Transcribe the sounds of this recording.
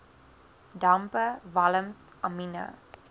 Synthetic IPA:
dãmpəvaləms | aminə̰

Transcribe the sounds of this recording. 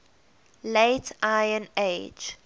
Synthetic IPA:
leɪtʰʔaɪə̃neɪd͡ʒ

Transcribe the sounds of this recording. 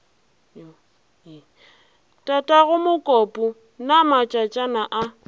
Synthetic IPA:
tʼatʼaɣʊmʊkʼɔpʼʊ | namat͡ʃʼat͡ʃʼanaʔa

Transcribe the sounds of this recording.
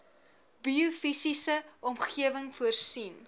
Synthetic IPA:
biufisisə | ɔmχiəvəŋfuərsin

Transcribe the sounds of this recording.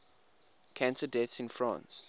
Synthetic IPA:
kʰãntədɛθsɪ̃nfɹã̰ns

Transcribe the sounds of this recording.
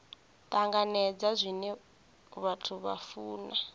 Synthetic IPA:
tʼaŋɡanɛd͡zazʷinɛ | βatʰuβa̰fuːna

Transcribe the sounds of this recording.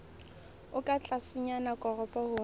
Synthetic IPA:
ʊkʼat͡ɬʼasɪɲanakʼɔrɔpʼɔhʊː

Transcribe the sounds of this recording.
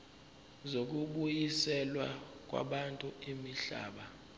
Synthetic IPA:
zok̬uɓujisɛlwak̬ʼwa̰ɓantʼuimiɬa̰ːɓa

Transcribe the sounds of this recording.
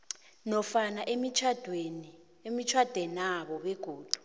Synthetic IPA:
nɔfanaʔemit͡ʃʰad̥ʱweni | emit͡ʃʰwad̥ʱwɛnaɓɔɓɛɡ̥ʱoːd̥ʱu̥

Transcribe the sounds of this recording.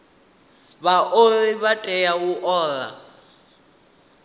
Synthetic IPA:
βaʔoliβatʼɛjawuʔɔːla̰

